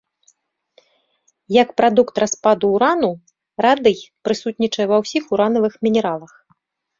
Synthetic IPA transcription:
jɐkpɾad̪ukt̪raspad̪uːɾanu | rad̪ɨjpɾɨsut̪ʲnʲit͡ʂɐjɛvɐwsʲixuɾanɐvɨxmʲinʲɛɾalˠɐx

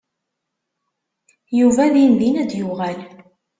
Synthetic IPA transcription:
juvæðjinðinæd̪jʊʁæl

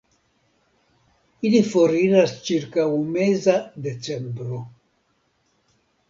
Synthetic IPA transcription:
ilifoɾiɾast͡ʃiɾkawumezad̪et͡sembɾo

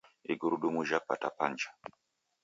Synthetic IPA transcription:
ḭɡuɾuɗumuʒapa̰tapand͡ʒḁ

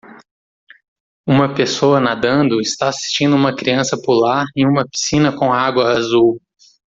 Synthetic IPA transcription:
ũmɐpesoɐnad̪ɐ̃nd̪ʊɪst̪aasi̥st͡ʃĩnd̪ʊũmɐkɾiɐ̃sɐpulaɾẽj̃ũmɐpi̥sĩnɐkõaɡwɐazuw

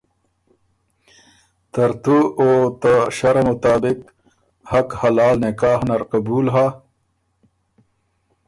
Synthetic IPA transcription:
t̪ɐɾt̪uot̪aɕɐɾamʊt̪aːbɪq | hɐkhɐlaːlnɪkaːhnɐɾqabuːlɦa

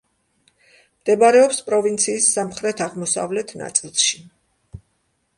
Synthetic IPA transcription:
md̪̥ɛbaɾɛɔpspʼɾɔvint̪sʰiːsːamχɾɛt̪ʰaʁmɔsa̰vlɛt̪ʰna̰t̪sʼilˠʃi̥

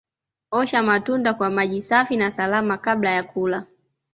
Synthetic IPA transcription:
ɔʃamatundakwamaʄisafinasalamakaɓlajakula

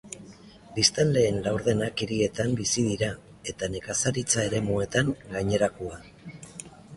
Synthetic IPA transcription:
bist̪anle̞ːnlawɾðe̞nakiɾie̞t̪ambisiðiɾa | e̞t̪ane̞kasaɾit͡sae̞ɾe̞mue̞t̪aŋɡaɲe̞ɾakua

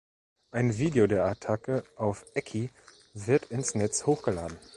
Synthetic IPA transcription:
ʔaɪnviːdeodeːɐatʰakəʔaʊfʔɛkʰi | vɪɐtʰɪnsnɛt͡shoːxɡ̥əla̰ːdn̩

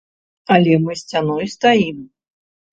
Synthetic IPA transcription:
ɐlʲɛmɨsʲt͡sʲanɔjst̪ajim

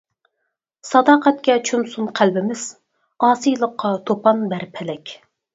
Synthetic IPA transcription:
sɑd̪ɑːqɛt̪̚kʲɛt͡ʃʰumsunqʰælbɪmɪz̥ | ɑːsɨjlˠəqʰːɑt̪ʰopʰɑnbæɾpʰɛlɛkʲ

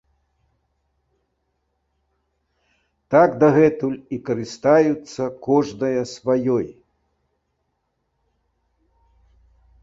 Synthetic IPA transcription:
t̪aɡd̪ɐɣɛt̪ulʲikɐɾɨst̪ajut̪sːɐkɔʐnɐjɐsvajɔj

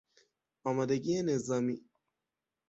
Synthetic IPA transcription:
amad̪ɐɡienezami

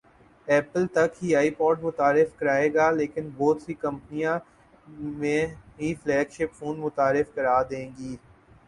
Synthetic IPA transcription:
ɛːpəlt̪ɐkɦiaːipɔːʈmʊt̪aːɾɪfkɐɾaːeːɡaːleːkɪnbɔːt̪sikɐ̃mpnijã | mẽɦiflɛːɡʃɪpfũːnmʊt̪aːɾɪfkɐɾaːd̪ẽːŋɡiː

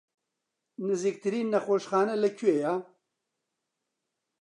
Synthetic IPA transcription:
nɐzik̚t̪ʰɨɾiːnːɐxoːʃxaːnɐlɐkʰueːjaː

